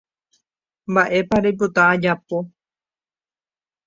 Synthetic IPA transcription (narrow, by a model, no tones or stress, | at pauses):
mbaʔe̞paɾejp̬ot̪aad͡ʒapo